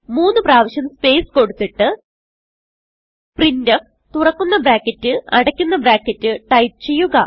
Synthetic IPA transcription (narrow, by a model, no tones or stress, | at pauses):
muːnːɨpraːʋɐɕɐnspe̞ːsko̞ɽut̪ːiʈːɨ | prindɐf | t̪urɐkːunːɐbɾaːkːɐtːɨʔɐɽɐkʲːunːɐbɾaːkʲːɐtːɨʈɐjp̚t͡ɕe̞jːuɣɐ